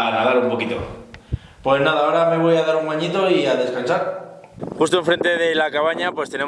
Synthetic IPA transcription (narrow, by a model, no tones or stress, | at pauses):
ɾaðaɾumpo̞kit̪o̞̰ | pwe̞znað̞aoɾame̞β̞o̞jaðaɾuŋaɲit̪o̞iaðe̞skansaɾ | xust̪oe̞ɱfɾe̞nt̪e̞ðe̞lakaβaɲapwest̪e̞ne̞